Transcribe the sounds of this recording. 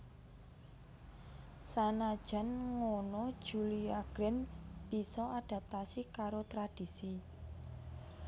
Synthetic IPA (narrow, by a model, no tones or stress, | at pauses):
sanad̥ʒ̥a̤nŋonod̥ʒ̥uliaɡ̥ɾɛnb̥isɔaɖ̥a̤p̚t̪asikaɾot̪ɾad̥isi